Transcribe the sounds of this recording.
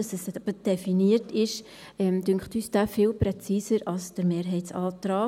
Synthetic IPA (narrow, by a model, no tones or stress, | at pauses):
ɑsɛsb̥əd̥ɛfiniətɪʃ | ɛmd̥ʏŋχtyːsd̥aːfɪːlpɾɛt͡siːsəɾɑlsd̥əɾmeːɾɦɛɪtsɑːt̪ɾɑː